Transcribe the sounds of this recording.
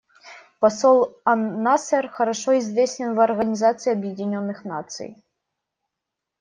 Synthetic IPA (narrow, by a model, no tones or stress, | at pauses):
pɐsɔlˠɐasɛrxɐɾɐʂoizvʲesʲtʲɪnvɐrɣɐnʲizat̪sɨiɐbjɪdʲɪnʲonːɨxnat̪sɨ̰j